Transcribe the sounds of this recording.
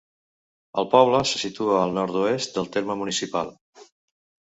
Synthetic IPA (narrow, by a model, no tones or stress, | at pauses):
ə̰lˠpɔβ̞ləsə̥sit̪uəːlˠnɔɾt̪uest̪̚d̪əlˠt̪eɾməmunisipalˠ